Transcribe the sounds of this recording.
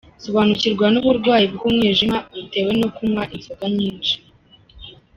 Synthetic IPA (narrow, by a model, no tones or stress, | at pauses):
soβaːnuciɾɡwanuβuɾɡwaːjibɡumŋiːʒimaβute̞we̞no̞kumŋaʔinzokaɲiːnʃi̥